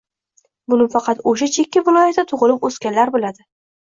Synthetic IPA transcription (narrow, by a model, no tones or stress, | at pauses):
bʊnɪfɑqʰɑt̪oʃ̬at͡ʃʰe̞kʲːavɪlˠɒjat̪d̪at̪ʰʊʁlˠɪposkʲanlaɾbolad̪ɪ